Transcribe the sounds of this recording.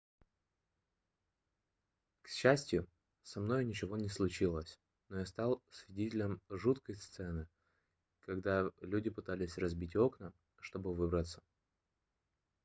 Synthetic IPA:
kɕːæsʲtʲjʊ | sɐmno̞jnʲɪt͡ɕɪvo̞nʲɪslˠʊt͡ɕilˠəsʲ | nojast̪ɑlˠsvʲɪdʲetʲɪlʲəmʐut̪kəjst̪sɛnɨ | kɐɡd̪alʲudʲɪpɨt̪alʲɪsʲrɐzbʲitʲo̞knə | ʂt̪o̞bɨvɨbɾət̪sə̥

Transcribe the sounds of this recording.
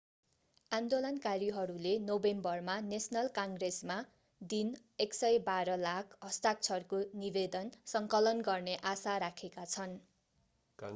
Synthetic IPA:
and̪olʌnkaɾiɦʌɾulenobembʌrmanesnʌlkaŋɡresma | d̪in | eksʌjbaɾʌlakʰɦʌst̪ak̚t͡sʰʌrkonibed̪ʌnsʌŋkʌlʌnɡʌrneʔasaɾakʰekat͡sʰʌn

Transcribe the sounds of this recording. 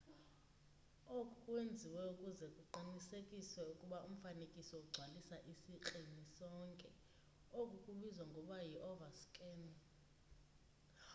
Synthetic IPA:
okʼukʼwend͡zʱiwɛukʼuzɛkʼuǃinisekʼiswɛukʼuɓaum̩fanekʼisɔuɡ͡ǀʱwalisaʔisiǃinisɔŋkʼɛ | okʼukʼuɓizwaŋɡʱɔɓajiʔɔvaskʼɛn

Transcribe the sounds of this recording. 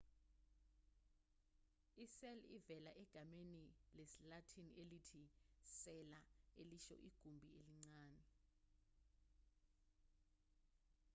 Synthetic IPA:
isɛlḭvɛlaʔɛɡ̥ʱamenilesilatʰiniʔelitʰisɛlaeliʃɔ̰ʔiɡ̥ʱumbʱieliŋ͡ǀaːnɛ

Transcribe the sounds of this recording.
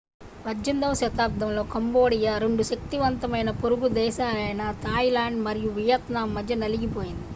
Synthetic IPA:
ʋɐd͡ʒɐnd̪ɐmʃɐt̪aːp̚d̪ʱɐmlo̞ːkɐmbo̞ːɽijɐɾeɳɖuʃɐk̚t̪iʋɐnt̪ɐmɐjnɐpoɾuɡud̪ɛːʃaːlɐjnɐt̪aːjlaːɳɖmɐɾijuʋijɐt̪naːmːɐd̪ʱjɐnɐliɡipo̞ːjind̪i

